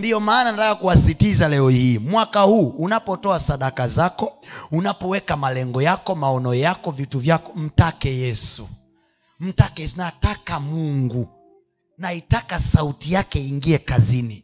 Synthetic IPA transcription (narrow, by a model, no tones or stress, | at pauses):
ndiɔmaːnantakakuwasitizalɛɔhiːmwakahuːnapɔtɔasaɗakazakɔunapɔwɛkamalɛŋɡɔjakɔmaɔnɔjakɔvituvjakɔm̩takɛjɛsṵ | m̩takɛɛnatakamuŋɡu | naitakasautijakɛiŋɡiɛkazini